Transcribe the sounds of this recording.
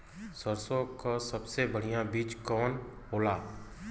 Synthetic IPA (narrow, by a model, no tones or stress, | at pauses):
səɾsokasəbsebəɽ̤ijãbiːt͡ʃkɔːn | ɦoːlaː